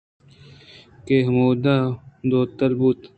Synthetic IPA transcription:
keɦmuːd̪ad̪oːt̪ɐɾbut̪

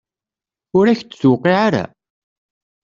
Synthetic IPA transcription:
ʊɾæçt͡sːsuqiʕaɾæ̰

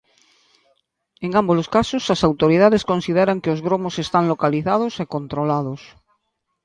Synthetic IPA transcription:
eŋamboloskasosasawt̪oɾiðaðeskonsiðeɾaŋkeozɣɾomosest̪aŋlokaliθað̞osekont̪ɾolað̞os

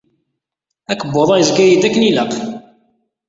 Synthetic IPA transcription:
ækəbːoðˤɑjzɡæjid̪ækːəniləq

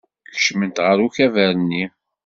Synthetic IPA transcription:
çə̥ʃmənt̪ʁəɾuçævæɾənːi

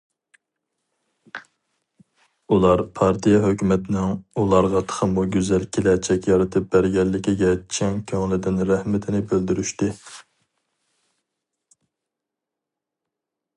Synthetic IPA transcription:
ulˠɑɾpʰɑɾt̪ʰijɛɦøkʲymɛt̪ʰɪnɪŋulˠɑɾʁɑt̪ʰə̥χʰəmuɡʲyzɛlkʲʰelɛt͡ʃʰɛkʲjɑɾɨt̪ʰɨp̚bæɾɡʲɛlːɪkʲiɡʲɛt͡ʃʰɛŋkʲʰøŋlˠɪd̪ɪnɾæhmɪt̪ʰɪnɪbøld̪yɾyʃt̪ɪ

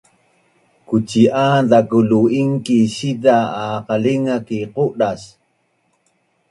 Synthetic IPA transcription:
kut͡ʃiʔad̪akuluiŋkiɕidaːqaliŋakiquʔɗas

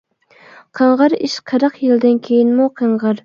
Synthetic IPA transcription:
qʰəɴʁɨɾɪʃqʰəɾɑqjɪld̪ɪnkʲʰejɪnmuqʰəɴʁɑɾ

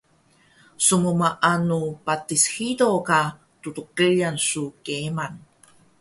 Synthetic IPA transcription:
sumumaʔanupatisxidoka | tutuqəʎansukeman

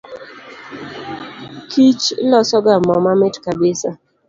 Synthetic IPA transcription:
kʰit͡ʃlɔsɔɡamɔmamɪtkabɪsa

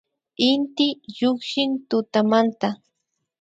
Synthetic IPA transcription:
ɪnt̪ɪʎoχʃɪnt̪ʊt̪amant̪a

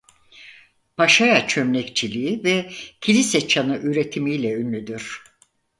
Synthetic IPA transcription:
pʰaʃajat͡ʃʰø̞mlɛct͡ʃʰilʲiivɛcʰilʲisɛt͡ʃʰanɯʔyɾe̞t̪ʰimijlʲɛynlʲyd̪yɾ̥

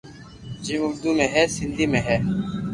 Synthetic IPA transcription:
d͡ʒiːmʊɾd̪uːmẽːɦɛːsɪnd̪iːmẽːɦɛː

